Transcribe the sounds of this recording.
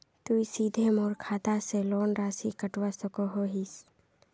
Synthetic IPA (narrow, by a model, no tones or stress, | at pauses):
t̪uisiːd̪ʱemɔːɾkʰaːt̪aselɔːnɾaːsikəʈwasəkoɦoɦis